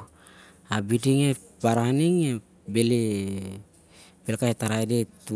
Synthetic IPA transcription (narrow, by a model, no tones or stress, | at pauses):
abidiŋe | paɾaniŋe | bele | belkaetaɾaedetu